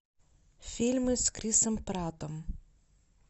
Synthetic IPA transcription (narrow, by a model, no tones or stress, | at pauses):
fʲilʲmɨskɾʲisɐmpɾat̪ɔm